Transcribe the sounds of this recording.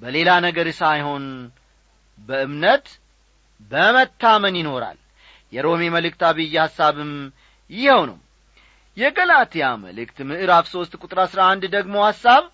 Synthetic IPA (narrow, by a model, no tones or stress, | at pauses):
bəle̞lanəɡəɾsajho̞n | bəɨmnət̪ | bəmət̪ʰːamənjɪno̞ɾa̰l | jɛɾo̞me̞məlɨkt̪aβɨjːɛhasːaβɨm | jɪhəwnə̰w | jɛɡəlat̪ʰejamə̰lɨkt̪mɨʔɨɾafso̞st̪kʼut̪ʼɾasɾaand̪d̪əɡmo̞hasːaβ